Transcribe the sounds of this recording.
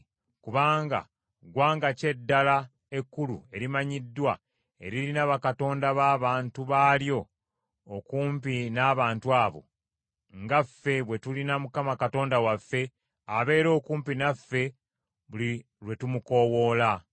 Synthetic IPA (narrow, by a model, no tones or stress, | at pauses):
kuβaːŋɡa̰ | ɡwaːŋɡace̞dːala | e̞kːulṵe̞ɾimaɲidːwa | e̞ɾilinaβakato̞ːndaβaːβaːntuβaːljo̞ː | kuːmpinaːβaːntuaːβo̞̰ | ŋɡafːe̞βwe̞tulinamukamakato̞ːndawafːe̞ | aβe̞ːɾo̞ːkuːmpinafːe̞ | βuli | ɾwe̞tumuko̞wo̞ːla